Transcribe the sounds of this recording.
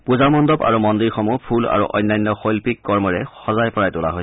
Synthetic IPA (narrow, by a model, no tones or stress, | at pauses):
puzamɔndɔba̰ɹumɔndiɹxɔmupʰula̰ɹṵʔɔ̰jnːajnːɔxojlpikːɔɹmɔɹɛxɔzajpɔɹajtʊla̰ɦo